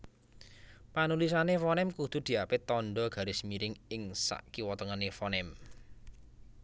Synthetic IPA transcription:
panulisanefɔnɛmkud̪̥ṳd̪̥i̤apɪt̪ɔnɖɔɡ̥a̤ɾesmiɾɪŋɪŋsa̰ʔkiwɔt̪ɔŋanefɔnɛm

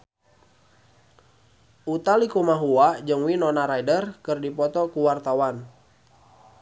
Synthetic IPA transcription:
ʔut̪alikumaɦuad͡ʒɨŋwinɔnaɾaidərkɨrdipɔt̪ɔkuwart̪awan

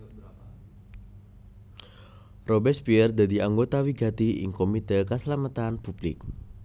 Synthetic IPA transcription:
robɛspiɛrd̪ad̪iaŋɡot̪awiɡat̪iɪ̰ŋkomit̪əkəsəlamat̪anpub̥lɪ̰k̚

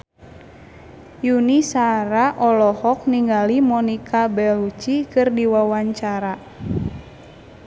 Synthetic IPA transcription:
junisaɾaʔɔlɔhɔk̚niŋɡalimɔnikʰabɛlut͡ʃikɨrdiwawaɲt͡ʃaɾa

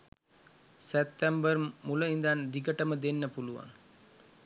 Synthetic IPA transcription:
sɛp̚t̪æmbərmuləind̪and̪iɡəʈəməd̪enːəpuluʋa̰ŋ

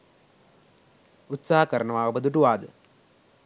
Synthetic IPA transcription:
ut̪saːɐkɐɾɐɳɐʋaːʋɐbɐd̪uʈːuʋaːd̪ɨ

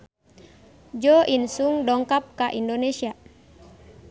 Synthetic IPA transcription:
d͡ʒɔʔinsuŋdɔŋkap̚kaʔindɔnɛsia

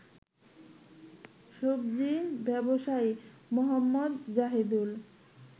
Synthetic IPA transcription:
ʃobd͡ʑibɛboʃaimoɦamːod̪d͡ʑaɦid̪ul

